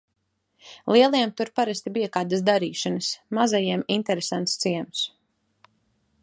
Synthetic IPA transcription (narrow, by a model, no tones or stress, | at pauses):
lˠiɛlˠiɛmt̪uɾpaɾast̪ibijakaːd̪asd̪aɾiːʃanasmazajiɛmint̪ɛɾesant̪st̪siɛmus